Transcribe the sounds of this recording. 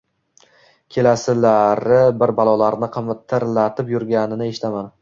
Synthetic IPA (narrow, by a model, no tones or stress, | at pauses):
kʲʰe̞lasɪlaɾɪbɪɾbalˠɒlaɾnɪqʰɨmt̪ʰːɪɾlat̪ʰɪpjʊɾɡʲanɪnɪeʃɪ̥t̪ʰaman